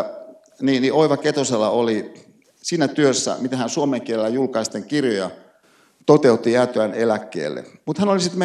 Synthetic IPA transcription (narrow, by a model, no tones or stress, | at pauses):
niːniʔoiʋɑket̪oselːɑoli | siːnæt̪yøsːæ̰mit̪æhænsuomeŋkielelːæjulkɑist̪eŋkirjojɑ̰ | t̪ot̪eut̪ːiæːt̪øænelækːḛːlːḛmut̪hænolisit̪me